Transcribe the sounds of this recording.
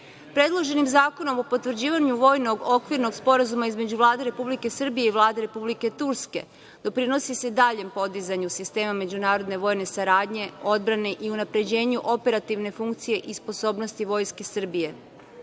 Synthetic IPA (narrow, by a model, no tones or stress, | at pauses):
pɾe̞d̪lˠo̞ʒe̞nimzaːko̞no̞mo̞pot̪ʋr̩d͡ʑiːʋaɲuʋo̞ːjno̞ɡo̞kʋiɾno̞ɡspo̞ɾazumaizme̞d͡ʑuʋlˠaːd̪e̞ɾe̞publike̞sr̩bije̞iʋlˠaːd̪e̞ɾe̞publike̞t̪uɾske̞̰ | d̪̥o̞pɾino̞sise̞d̪aːʎe̞mpo̞d̪izaɲusist̪e̞ːmame̞d͡ʑunaːɾo̞d̪ne̞ʋo̞ːjne̞saɾaːd̪ɲe̞o̞d̪̚bɾane̞ʔiunapɾe̞d͡ʑe̞ːɲuʔo̞pe̞ɾat̪iʋne̞fuŋkt̪sije̞ʔispo̞so̞ːbno̞st̪iʋo̞jske̞sr̩bije̞